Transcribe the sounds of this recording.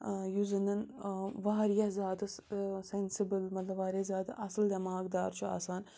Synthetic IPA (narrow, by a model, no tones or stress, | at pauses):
juzɐnɐnʋaːɾijɐzaːd̪ɨssensibɨlmɐt̪lɐʋaːɾijɐzaːd̪ɨʔɐsɨld̪ɐmaːɡd̪aːɾt͡ʃʰua̰ːsaːn